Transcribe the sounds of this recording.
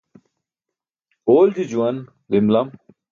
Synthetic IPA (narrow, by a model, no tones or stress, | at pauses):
oːld͡ʑid͡ʑuɐn | zimlɐm